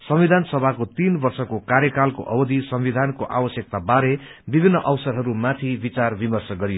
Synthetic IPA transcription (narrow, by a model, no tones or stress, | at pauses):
sʌmwid̪ʱansʌbʱakot̪inbʌrsʌkokaɾjʌkalko̰ʔʌbʌd̪ʱisʌmwid̪ʱankoʔa̰bʌsjʌk̚t̪abaɾe | bibʱinːʌʔʌwsʌɾɦʌɾumat̪ʰibit͡sarbimʌrsʌɡʌɾijo